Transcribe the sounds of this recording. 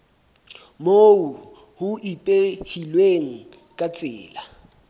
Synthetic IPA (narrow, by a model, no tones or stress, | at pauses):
mou | hʊʔipʼehilweŋ̩ | kʼat͡sʼɪ̰ːla